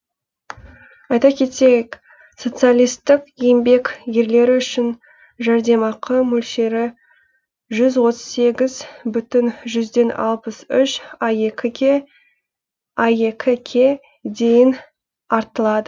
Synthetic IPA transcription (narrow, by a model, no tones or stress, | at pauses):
ɑjt̪ɑkʲʰe̞t̪ejk | so̞t̪sɨalˠijst̪ɪqjembe̞kʲje̞ɾle̞ɾɪʏʃɪn | ʒɑɾd̪e̞mɑqʰəmɵlʃe̞ɾɪ | ʒʏzwo̞t̪ə̥zse̞ɡʲɪzbʏt̪ɪnʒʏzd̪e̞nɑ̰lˠpəsʏʃɑjekʲɪ | ɑje̞kʲʰɪkʲʰe̞ | d̪e̞jɪn | ɑɾt̪əlˠɑd̪ə